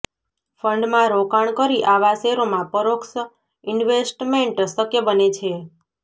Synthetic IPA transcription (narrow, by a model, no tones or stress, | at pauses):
fəɳɖmãɾokaɳkəɾiʔaʋaseɾomãpəɾoksə | ɪɳʋesʈmeɳʈsəkjəbənet͡ʃʰe